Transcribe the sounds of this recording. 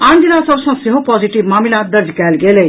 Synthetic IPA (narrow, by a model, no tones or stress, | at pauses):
and̪ilasɔbsɔ̃ŋseɦopɔd͡ʒiʈibmamilad̪əɾd͡ʒʱkɛlɡele